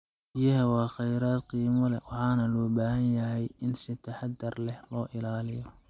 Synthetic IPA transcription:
bɪjɐɦɐwɑːχɛjɾaːd̪̚qiːmɐlɛwɑħɑːnɐlɔːbaːɦɐnjɐɦɛjɪnsɪt̪ʰɐħɑd̪ɐrlɛhlɔːʔɪlaːlɪjɔ

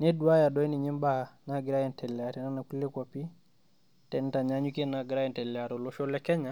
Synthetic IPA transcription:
nɛduajadɔiniɲimbaanaɡiɾajɛntɛlɛatɛnanakulɛkwapi | tɛntaɲaɲukinaɡiɾajɛntɛlɛatɔlɔʃɔlɛkɛɲa

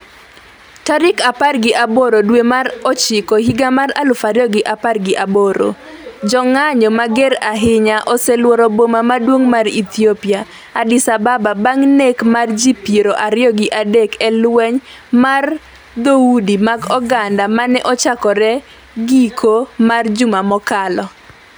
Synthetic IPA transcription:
taɾɪkaparɡɪʔaboɾodwemaɾɔt͡ʃɪkɔɦiɡamaɾa̰lʊfaɾjɔɡɪʔaparɡɪʔaboɾo̰ | d͡ʒɔŋaɲɔmaɡeɾaɦɪɲaʔɔsɛlwɔɾɔbomamadwoŋmarḭt̪jopɪa | adɪsabababaŋnekmard͡ʒipjeɾoʔaɾɪɔɡɪʔadekɛlwɛɲ | mar | d̪oudimaɡɔɡandamanɛʔɔt͡ʃakɔɾɛ | ɡikʰomard͡ʒʊmamɔkalɔ

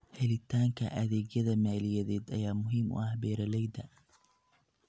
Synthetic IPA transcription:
hɛlɪt̪ʰaːŋkʰɐ̰ʔɐðɛːɡjɐðɐmaːlɪjɐðɛːd̪ɐjaːmʊɦiːmʔʊ̰ɐhbɛːɾɐlɛjd̪ɐ

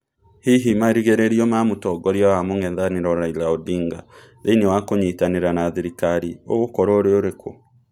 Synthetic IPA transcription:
hiɦimaɾiɣeɾeɾiɔmamotɔɡɔɾjawamoŋɛnðaneɾɔɾailaodiːŋɡa̰ | ðeinewakoɲitaneɾanaðiɾikaɾioɣokɔɾoɾeoɾekʰo

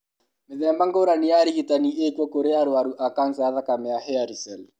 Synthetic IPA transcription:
meðɛmbaŋɡoɾanijaɾiɣitaniʔekwɔkoɾeaɾoaɾuʔakansaaðakamɛahɛaɾisɛl

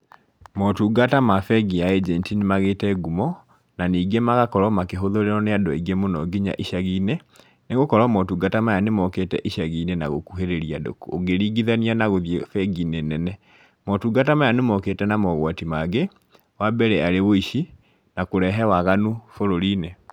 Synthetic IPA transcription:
mɔtuːɡatamafɛɡiaɛd͡ʒɛntinemaɣetɛɡumɔ | naniːɡemaɣakɔɾɔmakeɦoðoɾeɾɔneadɔiɡemonɔɡiɲa̰ʔiʃaɣiːne | neɣokɔɾɔmɔtuːɡatamajanemɔketɛʔiʃaɣiːnena̰ɣo̰kuɦeɾeɾiado̰kuo̰ɡeɾiɡiðanianaɣoðjefɛɡinenɛnɛ | mɔtuːɡatamajanemɔketɛnamɔɣwatimaɣe | wabɛɾɛaɾewoiʃi | nakoɾɛɦɛwaɣanufoɾoɾiːne

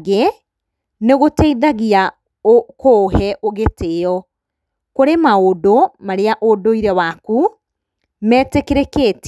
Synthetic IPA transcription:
ɣe | neɣotɛiðaɣia | okohɛʔoɣeteɔ | koɾemaodomaɾeaʔodoiɾɛwaku | mɛːtekeɾekeːt

